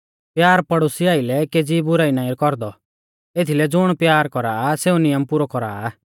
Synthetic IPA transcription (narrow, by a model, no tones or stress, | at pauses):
pjaːɾpɐɽʊsiaːilɛkeːd͡zibʊɾaːinãːiɾkɔɾd̪ɔ | et̪ʰilɛd͡zʊɽ̃pjaːɾkɔɾaːseːũnɪjəmpʊɾɔkɔɾa̰ː